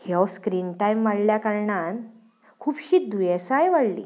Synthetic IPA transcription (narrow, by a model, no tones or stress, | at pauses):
heskɾiːnʈajmʋaɽljakaɾɳan | kʰuːpɕiːd̪ujesajʋaɽlḭ